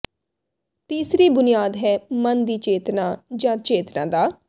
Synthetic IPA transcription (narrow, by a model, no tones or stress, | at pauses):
t̪iːsɾiːbʊnɪjaːd̪ɦɛːmənd̪iːt͡ʃeːt̪nãːd͡ʒãːt͡ʃeːt̪nã̰ːd̪aː